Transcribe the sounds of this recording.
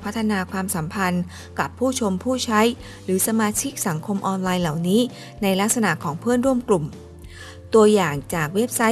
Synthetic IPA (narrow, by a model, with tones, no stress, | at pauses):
pʰa˦˥t̪ʰːa˧naː˧kʰwaː˧msa˩˦mpʰa˧n | ka˨˩pʰːuː˥˩t͡ɕʰo˧mpʰuː˥˩t͡ɕʰa˦˥j | ɾɯː˩˦sa˧maː˧t͡ɕʰi˦˥k̚sa˩˦ŋkʰo˧mʔɔː˧nlaː˧jla˨˩wniː˦˥ | na˧jla˦˥k̚sa˧na˨˩ʔkʰɔː˩˦ŋpʰɯ˥˩ənɾu˥˩əmklu˨˩m | t̪u˧ɐjaː˨˩ŋt͡ɕaː˨˩k̚we˦˥p̚sa˦˥